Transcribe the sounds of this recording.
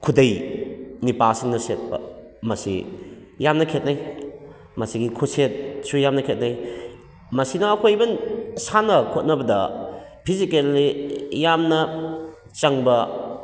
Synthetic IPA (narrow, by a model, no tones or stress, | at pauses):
kʰudɐjnipasiŋnɐset̚bɐ̰ | mɐsḭ | jamnɐkʰet̚naj | mɐsiɡikʰuset̚sujamnɐkʰet̚naj | mɐsinɐːkʰojbɐnsanɐkʰot̚nɐbɐdɐpʰizikelːijamnɐ | t͡ʃɐŋbɐ